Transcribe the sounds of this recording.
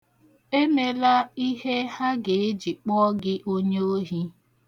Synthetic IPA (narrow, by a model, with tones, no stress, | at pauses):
e˦me˨la˦i˦ɦe˦ha˦ɡe˨e˦d͡ʒi˨k͡pɔ˦ɡɪ˦ʔo˦ɲe˦o˦ɦi˦